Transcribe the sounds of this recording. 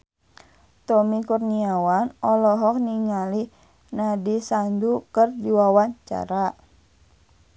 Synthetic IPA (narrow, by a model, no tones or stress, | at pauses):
t̪ɔmikurniawanɔlɔɦɔk̚niŋali | nadisandukərdiwawaɲt͡ʃa̰ɾa